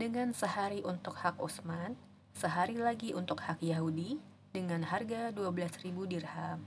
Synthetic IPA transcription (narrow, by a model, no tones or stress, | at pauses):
dəŋansəhaɾiʔunt̪ʊk̚hakusman | səɦaɾilaɡiʔunt̪ʊkhakjaɦudi | dəŋanharɡaduabəlasribudirham